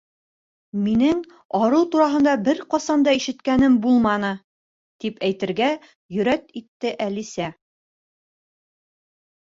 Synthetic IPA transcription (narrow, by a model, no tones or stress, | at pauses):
minɘŋ | ɒɾɤlˠt̪uɾɑɦɤ̆nd̪ɑbɘɾqɒsɑnd̪ɑiʃɘ̆t̪kænɘmbulˠmɑnɤ | t̪ipæjt̪ɘ̆ɾɡæ | jɵ̆ɾæt̪it̪ːɘʔælisæ